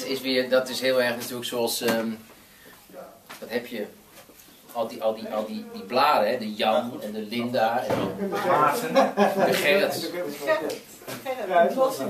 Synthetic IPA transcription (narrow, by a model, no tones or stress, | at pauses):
tɪsʋɪərdɔtɪsɦɪəlˠɛrxnatyːləksoɑlˠsə | ʋɔtɦɛpʰjə | ɔlˠdiʔɔlˠdiʔɔlˠdidiplaːdəɦɛdəjɑmɛndəlɪndaɛnədəpaːtəndəχɛə